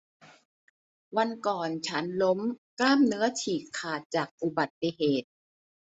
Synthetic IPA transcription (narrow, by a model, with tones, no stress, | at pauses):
wa˧nkɔː˨˩nt͡ɕʰa˦˥nlo˦˥mklaː˥˩mnɯ˦˥ɐt͡ɕʰiː˨˩kʰːaː˨˩t̪̚t͡ɕaː˨˩k̚ʔu˨˩ba˨˩t̪ːi˧˩ɦeː˨˩t̪̚